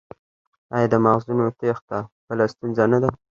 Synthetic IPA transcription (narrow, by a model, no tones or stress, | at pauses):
ajad̪əmaɣzunot̪ext̪apəlast̪unzanad̪a